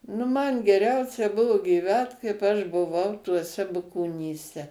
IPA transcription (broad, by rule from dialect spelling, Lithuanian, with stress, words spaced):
nʊ mɐn ɡʲɛˈrʲɛʊsʲɛ ˈbʊʋoː ɡʲiːˈʋʲæːt kɐɪp ɐʃ bʊˈʋɐʊ tuɔˈsʲɛ bʊkoːnʲiːˈsʲɛ